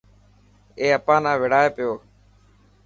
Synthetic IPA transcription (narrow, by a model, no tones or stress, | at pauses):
eːəpãːnãːʋɪɽaːeːpɪjoː